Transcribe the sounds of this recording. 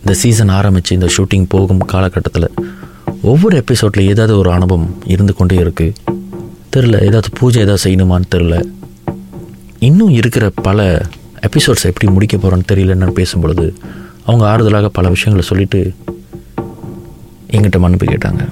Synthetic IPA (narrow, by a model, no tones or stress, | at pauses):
ɪnd̪ɐsiːs̬ɐnaːɾɐmbɪt͡ʃːɯɪnd̪ɐʂuːʈːɪŋpoːɣɯmkaːlɐkːɐʈːɐt̪ːɪlɐ | ɔʋːɔɾɯɛpːɪsoːɖlɐeːðaːʋðɯɔɾɯɐɳɯbɐmɪɾɯnd̪ɯkɔɳɖeɪɾɯkːɯ | t̪ɛɾɪlɐ̰ʔḛːðaːʋðɯpʰuːd͡ʒɐeːðaːðsɛjɐnɯmaːnɯt̪ɛɾɪlɐ | ɪnːʊ̃ɪɾɯkːɪɾɐpɐlɐ | ɛpːɪsoːɖsɛpːɐɽimʊɽɪkːɐpoːɾoːnɯt̪ɛɾɪjɪlɐnːɐnɯpeːsɯmpɔɭɯðɯ | ɐʋɐŋɡɐaːɾɯðɐlaːɣɐpɐlɐʋɪʂɐjɐŋɡɐɭsɔlːɪʈːɯ | ʔɛŋɡɪʈːɐmɐnːɪpːɯ̰kḛːʈːa̰ːŋɡɐ̰